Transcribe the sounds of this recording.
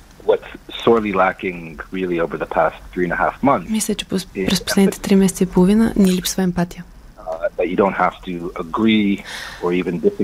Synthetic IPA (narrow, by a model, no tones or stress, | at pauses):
wʌtsɔɹlˠilækɪ̃ŋɹɪlˠioʊvə˞ðəpʰæsθɹiɨ̃nəhæ̰fmʌ̃nmislʲət͡ʃɛ̥ppɾɛsposlɛd̪nt̪ɛ̥t̪ɾimɛsɛt̪əipolˠovinə̰niɛlipsvəɛmpat̪ijə | ðɨt͡ʃɨdõʊ̃nt̚hæftʰɨəɡɹiə˞ivɨ̃ndɪsɨ